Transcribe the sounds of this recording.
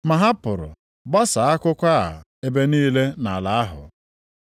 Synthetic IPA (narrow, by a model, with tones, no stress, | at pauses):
ma˨ɦa˦pʊ˨ɾʊ̰˨ | ba˦sa˨a˦kʊ˦kʷa̰˦˨ | e˦be˦niː˦le˦na˨la˨a˦ɦʊ̰˨